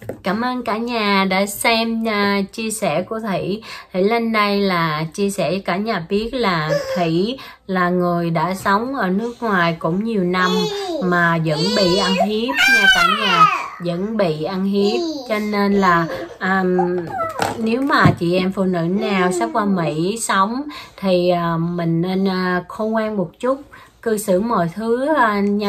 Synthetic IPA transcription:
kaː˧˩mʔəː˧nkaː˧˥ɲaː˨˩ɗa̰ː˧˥sɛ˧mə˧˩t͡ɕi˧əsɛ˧˩ku˧˩ət̪ʰḭ˧˩˨t̪ʰḭ˧˩le˧nɗə˧jlaː˨˩t͡ɕi˧əsɛ˧˩kaː˧˩˥ɲaː˨˩ɓi˦˥ət̚laː˨˩t̪ʰḭ˧˩ | laː˨˩ŋɨ˨˩əjɗa̰ː˧˥sə˨˦wŋ͡mʔəː˧˩nɨ˦˥ək̚ŋwaː˨˩jkʊ̰˧˥ŋ͡mɲi˨˩əwna˧mːaː˨˩zə̰˧˥nɓḭ˧˨ʔə˧nɦi˦˥əp̚maː˨˩kaː˧˥ɲaː˨˩zə̰˧˥nɓḭ˧˨ʔa˧nɦi˦˥əp̚t͡ɕɔ˧ne˧nlaː˨˩ʔəː˨˩m | ne˨˦wmaː˨˩t͡ɕḭ˧˨ʔɛ˧mfṵ˧˨nɨ̰˧˥na˨˩wsa˦˥k̚vaː˧mḭ˧˥sə˨˦wŋ͡mt̪ʰi˨˩ʔəː˨˩mï˨˩ŋ̟ne˧nʔəː˨˧˩xə˧kwaː˧nmo˨˩t̚t͡ɕʊ˦˥t̚ | kɨ˧sɨ̰˧˩mɔ̰˧˨jt̪ʰɨ˨˦˧ɲ˧

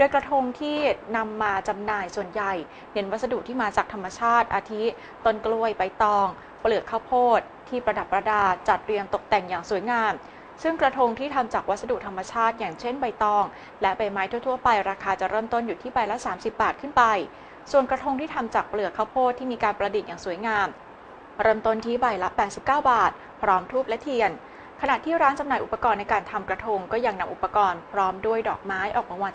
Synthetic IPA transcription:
du˧əjkɾa˧t̪ʰo˧ŋt̪ʰiː˥˩na˧mːaː˧t͡ɕa˧mnaː˧jsu˨˩ənja˨˩j | ne˨˦nwa˦˥t̪̚sa˧du˨˩t̪ʰːiː˥˩maː˧t͡ɕaː˨˩k̚t̪ʰa˧mːa˧t͡ɕʰaː˥˩t̪̚ʔaː˧t̪ʰi˦˥ | t̪o˥˩nklu˧˥˩əjpa˧jt̪ɔː˧ŋ | plɯ˨˩əkʰːa˥˩wpʰoː˥˩t̪̚ʰːiː˥˩pɾa˧da˨˩pːɾa˧daː˧t͡ɕa˨˩t̪̚ɾi˧ənt̪o˨˩k̚t̪ɛ˨˩ŋjaː˨˩ŋsu˨˩˦jŋaː˧m | sɯ˥˩ŋkɾa˧t̪ʰo˧ŋt̪ʰiː˥˩t̪ʰa˧mt͡ɕaː˨˩k̚wa˦˥sa˧du˨˩t̪ʰa˧mːa˧t͡ɕʰaː˥˩t̪̚jaː˨˩ŋt͡ɕʰe˥˩nba˧jt̪ɔː˧ŋ | lɛ˦˥ba˧jmaː˦˥jt̪ʰu˥˩ət̪ʰu˥˩ɐpa˧jɾaː˧kʰaː˧t͡ɕa˨˩ʔɾɤː˥˩mt̪o˥˩njuː˨˩iː˥˩ba˧jla˦˥saː˩˦msi˨˩p̚baː˨˩t̪̚kʰɯ˥˩npa˧j | su˨˩ənkɾa˧t̪ʰo˧ŋt̪ʰiː˥˩t̪ʰa˧mt͡ɕaː˨˩k̚plɯ˨˩əkʰaː˦˥˩wpʰoː˥˩t̪ʰːiː˥˩miː˧kaː˧npɾa˧di˨˩t̪̚jaː˨˩ŋsu˩˦jŋaː˧m | ɾɤː˥˩mt̪o˥˩nt̪ʰiː˦˥ba˧jla˦˥pɛː˨˩t̪̚si˨˩p̚kaː˥˩wbaː˨˩t̪̚ | pʰɾɔː˦˥mt̪ʰuː˥˩p̚lɛ˦˥t̪ʰi˧ən | kʰa˧na˨˩t̪ʰiː˥˩ɾaː˦˥nt͡ɕa˧mnaː˨˩jʔu˨˩pːa˧kɔː˧nːa˧jkaː˧nt̪ʰa˧mkɾa˧t̪ʰo˧ŋkɔː˥˩ja˧ŋna˧mʔu˨˩pːa˧kɔː˧npʰɾɔː˦˥mdu˥˩əjdɔː˨˩k̚maː˦˥jʔɔː˨˩k̚ba˧ŋwaː˧

